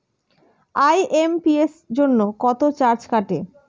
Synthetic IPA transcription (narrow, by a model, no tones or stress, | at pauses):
ajʔempiesd͡ʑonːokɔt̪ot͡ɕaɾd͡ʑkaʈe